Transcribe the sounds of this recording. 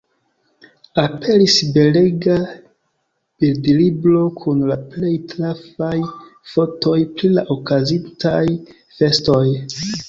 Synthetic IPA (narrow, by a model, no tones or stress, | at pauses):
apʰe̞ɾisbe̞leɡa | b̥ildliblo̞kʰunlaple̞jtɾafajfo̞to̞jpɾilaʔokazintaj | fe̞sto̞j